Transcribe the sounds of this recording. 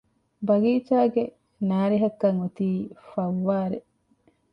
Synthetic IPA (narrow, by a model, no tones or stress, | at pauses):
bɐɡiːt͡ʃaːɡe | naːɾiɦɐkːɐŋot̪iːfɐʋːaːɾe